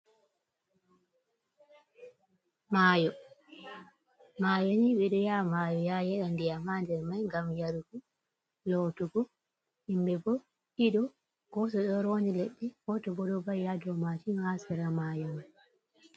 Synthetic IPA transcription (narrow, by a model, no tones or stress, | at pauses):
maːjɔ | majoɲiɓɛɗɔjamaːjɔjajɛɗandijamandɛɾmajŋɡamjaɾuɡu | lɔtɔɡɔ | imbɛbɔ | ʔiɗɔ | ɡ̥ɔsɔɗɔɾond͡ʒileɗːihɔtɔbɔɗɔbajjadɔmatinhasɛɾamajɔni